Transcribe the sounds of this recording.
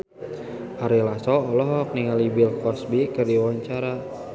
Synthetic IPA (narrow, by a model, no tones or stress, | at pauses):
ʔaɾilasɔɔlɔɦɔk̚niŋalibilkɔsbikɨrdiwaɲt͡ʃaɾa